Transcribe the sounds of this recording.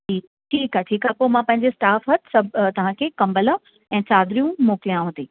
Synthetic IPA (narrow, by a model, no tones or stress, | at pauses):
ʈiː | ʈʰiːkaɦʈʰiːkaːɦpoːmãpɐ̃ɦɪ̃ɲd͡ʑesʈaːfɦɐt̪sɐbʱt̪ɐʋ̤ãkʰeːkɐ̃mbələ̃ | ɛ̃ːsaːd̪ɾijũmoːkɪlijãɦõt̪eː